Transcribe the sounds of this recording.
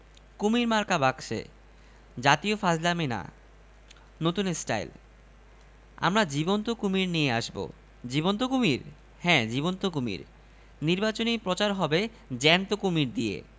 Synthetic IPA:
kumiɾmaɾkabakʃḛ | d͡ʑat̪iofaslamena̰ | not̪unesʈa̰jl | a̰mɾad͡ʑibont̪okumiɾnijeaʃbo̰ | d͡ʑibont̪okumiɾ | hɛ̃d͡ʑibont̪okumḭɾ | niɾbat͡ɕonipɾot͡ɕaɾɦɔbe | d͡ʑɛnt̪okumiɾd̪iḛ

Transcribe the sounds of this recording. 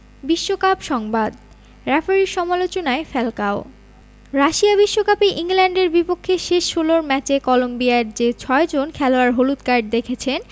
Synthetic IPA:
biʃːokapʃɔŋbad̪ | ɾɛfaɾiɾʃɔmalot͡ɕonaefɛlkao | ɾaʃiabiʃːokapeʔiŋlɛɳɖeɾbipokʰːeʃeʃholoɾmɛt͡ɕekɔlombijaɾd͡ʑet͡ɕʰɔed͡ʑonkʰɛloaɾɦolut̪kaɾɖ̚d̪ekʰet͡ɕʰen

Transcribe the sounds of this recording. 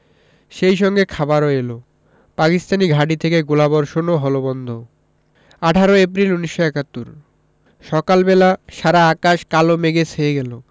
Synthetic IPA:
ʃejʃɔŋɡekʰabaɾoelo | pakist̪aniɡʱaʈit̪ʰekeɡulabɔɾʃonoɦɔlobɔnd̪ʱo | aʈʰaɾoep̬ɾiluniʃːoɛkat̪ːuɾ | ʃɔkalbelaʃaɾaakaʃkalomeɡesʰeeɡɛlo

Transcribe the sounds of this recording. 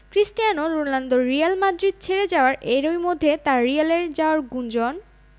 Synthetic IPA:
kɾisʈijanoɾoland̪oɾijalmad̪ɾid̪̚t͡ɕʰeɾed͡ʑaoaɾʔeɾojmod̪ʱːet̪aɾːialeɾd͡ʑaoaɾɡund͡ʑɔn

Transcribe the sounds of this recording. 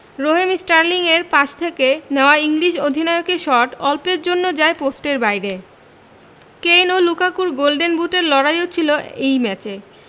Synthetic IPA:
ɾoɦemisʈaɾliŋeɾpãʃt̪ʰekeneoaiŋliʃod̪ʱinɔeokeʃɔʈɔlpeɾd͡ʑonːod͡ʑaeposʈeɾbajɾe | kejnolukakuɾɡolɖenbuʈeɾlɔɽajot͡ɕʰiloejmɛt͡ɕe

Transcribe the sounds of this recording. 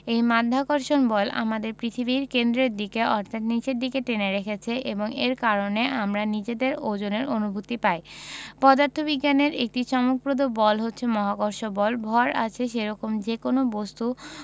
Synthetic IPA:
ejmad̪ʱːakoɾʃonbɔlʔa̰mad̪eɾpɾit̪ʰibiɾkend̪ɾeɾd̪ikeɔɾt̪ʰat̪nit͡ɕeɾd̪ikeʈeneɾekʰet͡ɕʰeʔḛboŋeɾkaɾoneʔamɾanid͡ʑed̪eɾod͡ʑoneɾonubʱut̪ːipajpɔd̪aɾt̪ʰobiɡːaneɾek̚ʈiʃɔmok̚bɾod̪obɔlɦotːɕʰemɔɦakoɾʃobɔlbʱɔɾa̰t͡ɕʰeʃeɾɔkomd͡ʑekonobost̪u

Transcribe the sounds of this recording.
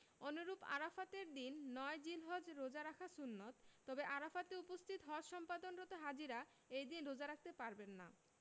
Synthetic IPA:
onoɾupa̰ɾafat̪eɾd̪inːɔed͡ʑilɦod͡ʑɾod͡ʑaɾakʰasunːot̪ːɔbeʔaɾafat̪eupost̪ʰit̪ɦɔd͡ʑʃɔmpad̪onɾot̪oɦad͡ʑiɾa | ejd̪inɾod͡ʑaɾak̚ʰt̪epaɾbenːa̰

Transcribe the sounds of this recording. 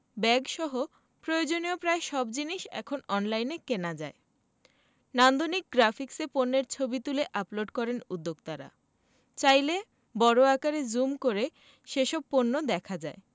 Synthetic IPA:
bɛɡʃɔɦo | pɾojod͡ʑoniopɾaeʃɔbd͡ʑiniʃɛ̰kʰonɔnlajnekenad͡ʑae | nand̪onik̚ɡɾafʰikseponːeɾt͡ɕʰobit̪uleʔaploɖkɔɾenud̪ːoɡ̚t̪aɾa̰ | t͡ɕajle | bɔɾoakaɾed͡ʑumkoɾe | ʃeʃɔb̚ponːod̪ɛkʰad͡ʑae

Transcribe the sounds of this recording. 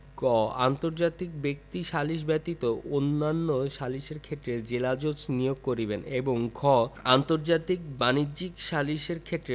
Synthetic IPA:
kɔa̰nt̪oɾd͡ʑat̪ik̚bek̚t̪iʃaliʃbɛt̪it̪oonːanːoʃaliʃeɾkʰet̪ːɾed͡ʑelad͡ʑot͡ɕnijoɡ̚koɾibeneboŋkɔa̰nt̪oɾd͡ʑat̪ikbanid͡ʑikʃaliʃeɾkʰet̪ːɾe

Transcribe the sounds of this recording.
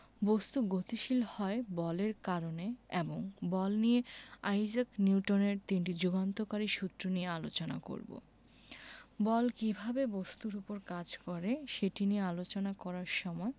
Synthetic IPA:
bost̪uɡot̪iʃilhɔebɔleɾkaɾoneeboŋbɔlnijeajzakniwʈoneɾt̪inʈid͡ʑuɡant̪okaɾiʃut̪ːɾoniealot͡ɕona̰ko̰ɾbo̰ | bɔlkibʱabebost̪uɾupoɾkad͡ʑkɔɾeʃeʈiniealot͡ɕonakɔɾaɾʃɔmɔe

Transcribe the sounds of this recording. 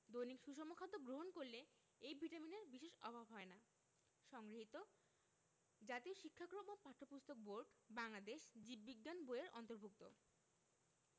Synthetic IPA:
d̪ojnikʃuʃɔmokʰad̪ːoɡɾoɦonkoɾle | ejbʱiʈamineɾbiʃeʃɔbʱabɦɔena | ʃɔŋɡɾiɦit̪o | d͡ʑat̪ioʃikʰːakɾomopaʈʰːopust̪ok̚boɾɖbaŋlad̪eʃd͡ʑibːiɡːanboeɾɔ̰nt̪oɾbʱuk̚t̪o̰

